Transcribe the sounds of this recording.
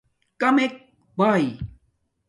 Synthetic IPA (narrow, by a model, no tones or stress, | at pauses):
kamek̚ | baj